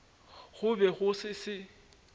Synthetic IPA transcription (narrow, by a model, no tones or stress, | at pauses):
ɣʊbɛɣʊsɪsɪ